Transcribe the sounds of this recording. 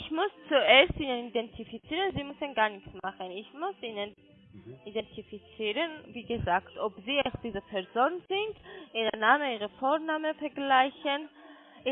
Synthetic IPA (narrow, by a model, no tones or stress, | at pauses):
ɪçmʊst͡suʔeːɐstʔiːnənidɛntʰifit͡siːʁənziːmʊsənɡaːɐnɪçt͡smaχənɪçmʊsiːnən | ʔidɛntʰifit͡siːʁənviːɡəzaːktʰʔopziːaʊxd̥iːzəpʰɛɐzoːnənzɪntʔiːʁənaːməiːʁ̞əfoːʁnaːməfɛɐɡlaɪçən | ʔ